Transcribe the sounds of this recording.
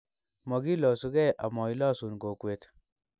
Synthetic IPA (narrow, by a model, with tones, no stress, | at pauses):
mɔ˨ɡi˦lɔ˨su˦ɡɛ˦˨ʔa˨mɔ˨i˦lɔ˦su˨nɡo˨kwe˨t̪